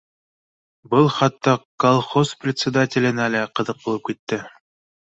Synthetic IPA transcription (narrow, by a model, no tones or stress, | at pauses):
bɤlˠχɑt̪ːɑkolˠχosprʲɪt̪ʲsʲɪd̪atʲɪlʲɘ̆nælæqɤ̆ðɤq̚bulˠɤp̚kit̪ːɘ